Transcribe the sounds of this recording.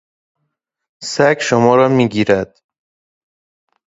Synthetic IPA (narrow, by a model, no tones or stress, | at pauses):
sækʃomɒːɾɒːmiːɡiːɾæd̪̥